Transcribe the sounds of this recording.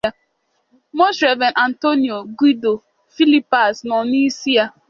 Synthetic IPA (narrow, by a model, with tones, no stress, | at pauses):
mo˦ʃɾɛ˨vɛ˨nʔa˨n̩˨to˦ni˨o˨ɡʷi˦do˨ | fi˦li˦pa˨snɔ˨ni˦si˦a˦